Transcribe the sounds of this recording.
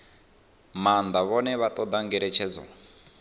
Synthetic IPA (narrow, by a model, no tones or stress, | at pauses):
mand̪aβɔnɛβat̪ʼɔd̪aŋɡɛɾɛt͡ʃʰɛd͡zɔ̰